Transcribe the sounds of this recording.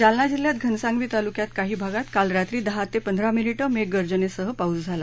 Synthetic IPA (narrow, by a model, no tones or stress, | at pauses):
d͡zalnad͡ʑiljat̪ɡʱənsãŋɡʋiːt̪alukjat̪kaɦiːbʱaɡat̪kalɾat̪ɾiːd̪əɦat̪epənd̪ʱɾaminiʈəmeɡəɾd͡ʑənesəɦəpaud͡zd͡zʱala